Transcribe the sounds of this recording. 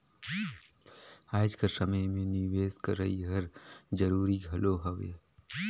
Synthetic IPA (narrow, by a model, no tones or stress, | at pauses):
aːd͡ʒkəsəməjmẽniʋeːskəɾəiɦəɾd͡ʒəɾuːɾiɡʱɐloɦɐʋe